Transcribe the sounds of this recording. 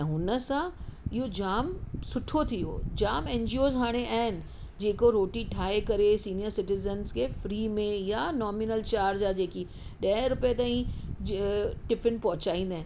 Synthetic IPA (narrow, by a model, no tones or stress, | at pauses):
ɦʊnə̆sãɪɦod͡ʑaːmsʊʈʰot̪ʰijo̰ːd͡ʑaːmɛ̃ːɲd͡ʑioːzɦaːɽ̃eʔaːɦɪnɪ̆ | d͡ʑeːkoɾoːʈiʈʰaːekɐɾesiːnijəɾsɪʈɪzənskʰeːfɾiːmẽjanɔːmɪnəlt͡ɕaːɾd͡ʑad͡ʑeːki | ɗɐɾʊpijet̪̬aːĩ | ʈɪfɪnpɐɦʊ̃t͡ɕaːĩnd̪aːɦɪn